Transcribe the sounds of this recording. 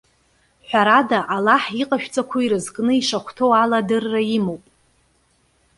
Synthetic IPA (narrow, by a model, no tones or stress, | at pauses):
ħʷᶣaɾadaʔalaħiqʼaʃᶣt͡sʼakʷʰaiɾɨzkʼnɨiʂaχʷtʰowaladɨrːaimowpʼ